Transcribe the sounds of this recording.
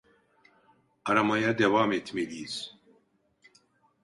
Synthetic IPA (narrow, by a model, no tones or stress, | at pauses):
ɐɾamajad̪ɛwaːmet̪ʰmeviːz